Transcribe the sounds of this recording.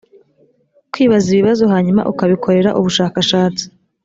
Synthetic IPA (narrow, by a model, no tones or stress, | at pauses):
kwiːβaziβiβazo̞ɦaːɲuma̰ʔukaβikʰo̞ɾe̞ɾaʔuβuʃaːkaʃaːt͡si̥